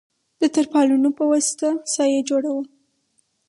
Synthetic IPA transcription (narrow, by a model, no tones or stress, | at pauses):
d̪ət̪aɾpɑlunopəwasɪ̥t̪asɑjed͡ʒoɽawə